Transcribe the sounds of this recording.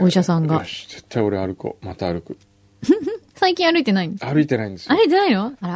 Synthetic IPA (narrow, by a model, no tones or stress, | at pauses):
oiɕasãŋɡaze̥t̪ːao̞ɾeaɾɯ̟ko̰mat̪aːɾɯ̟kɯ̟ | hɯ̃hɯ̃saikʲĩɰ̃aɾɯ̟it̪e̞naĩnd̪eaɾɯ̟it̪enaĩnd̪esaɾɯit̪enainoaɾa